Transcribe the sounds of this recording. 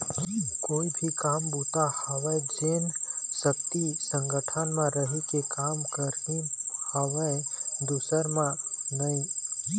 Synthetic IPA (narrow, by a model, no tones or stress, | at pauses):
koːibʱikambut̪ahɔʋəd͡ʒensəkt̪isə̃ŋɡəʈʰənmãɾəɦukekamkəɾnihəʋəed̪usəɾmãnəĩ